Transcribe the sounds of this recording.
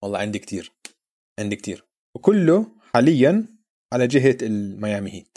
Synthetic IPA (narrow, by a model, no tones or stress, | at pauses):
wɑlˤːɑːʕɪnd̪ikt̪ʰiːɾ | ʕɪnd̪ik̚t̪ʰḭːɾ | wkʊlːʊħaːlɪjːan | ʕalad͡ʒɪɦaɪlmajaːmɪhiːn